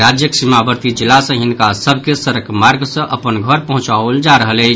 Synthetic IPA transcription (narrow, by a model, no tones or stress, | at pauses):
ɾad͡ʒjəksimabəɾt̪id͡ʒilːasə̃ɦinkasəbʱkesəɾəkmaɾɡsə̃ʔəpənɡʱəɾpəɦũt͡ʃald͡ʒaɾəɦələt͡ʃʰ